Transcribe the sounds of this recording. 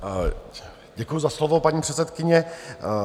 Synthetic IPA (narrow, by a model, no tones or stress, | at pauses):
ɟɛkujuzaslovopaɲiːpr̥ɛt͡sɛt̪kɪɲɛ